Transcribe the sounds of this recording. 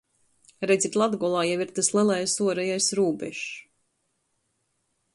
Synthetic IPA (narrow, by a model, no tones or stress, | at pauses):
ɾɛd̪zit̪ʲlˠad̪ɡɔlˠaːjaviɾt̪ɨslˠilˠajsuɔɾɛjajsɾuːbɛ̰ʃ